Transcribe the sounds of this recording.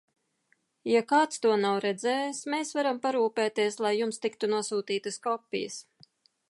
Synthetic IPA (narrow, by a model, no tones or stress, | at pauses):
jakaːt̪st̪uɔnawɾɛd̪zɛːjsmeːsvaɾampaɾuːpɛːt̪iɛslˠajːumst̪ikt̪unuɔsuːt̪iːt̪əskɔpʲːḭjə̰s